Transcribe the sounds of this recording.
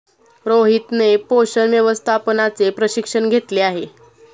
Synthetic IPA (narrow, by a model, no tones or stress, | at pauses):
ɾoɦit̪nepoɕənʋjəʋəst̪ʰapnat͡sepɾəɕikʂənɡʱet̪leaɦe